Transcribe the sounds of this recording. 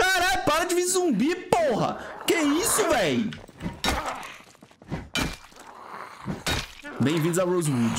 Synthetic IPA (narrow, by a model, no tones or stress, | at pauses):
kaɾapaɾɐd͡ʒɪvizzũmbiɾpoɦɐ̰keisʊvẽj | bẽj̃vĩd̪ʊzawɾozmud͡ʒ